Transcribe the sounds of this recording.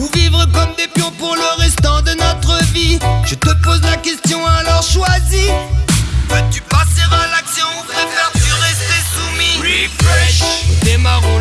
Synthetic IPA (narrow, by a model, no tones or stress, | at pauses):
uvivʁəkɔmd̪epjɔ̃puʁləʁɛst̪ɑ̃d̪ənɔt̪χəviʒət̪əpozlakʲɛst̪jɔ̃alɔʁʃwazi | vət̪ypaseʁalaksjɔ̃pʁefɛʁt̪yʁɛst̪esumiifɛʃd̪emaʁɔ̃